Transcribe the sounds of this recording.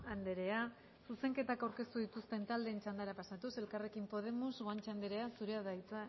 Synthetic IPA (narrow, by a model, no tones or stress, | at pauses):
and̪e̞ɾe̞a | suse̞ŋke̞t̪akawɾke̞st̪uðit̪ust̪e̞nt̪ald̪e̞ːnt͡ʃand̪aɾapasat̪use̞lkare̞kimpo̞ð̞e̞muzɣoant͡ʃand̪eɾe̞asuɾeaðajt͡sa